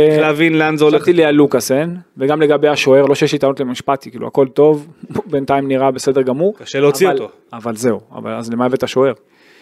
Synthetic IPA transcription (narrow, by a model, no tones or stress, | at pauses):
leavinleanzeoletilealukasenveɡamle̞ɡabe̞jaʃo̞e̞ʁlo̞ʃejeʃit̪anotlemaʃpat̪ikiːlṵa̰ko̞lt̪o̞vbent̪aimniʁabesed̪eʁɡamuʁkaʃeleot͡sioalto | avalze̞ua̰va̰lazlemaevetaʃo̞e̞ʁ